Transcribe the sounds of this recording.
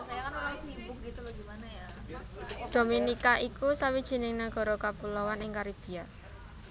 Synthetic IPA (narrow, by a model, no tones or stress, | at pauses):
iit̪aɡimanaja | d̪̥o̤minikaʔikusawid̥ʒ̥i̤nɪŋnaɡ̥ɔ̤ɾɔkapulɔwanɪŋkaɾib̥i̤a